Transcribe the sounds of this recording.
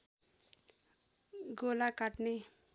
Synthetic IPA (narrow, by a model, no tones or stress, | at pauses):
ɡolakaʈne